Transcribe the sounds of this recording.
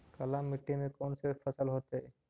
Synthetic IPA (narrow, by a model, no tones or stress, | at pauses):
kɐlamːiʈːinekonsefʰəsəlɦot̪e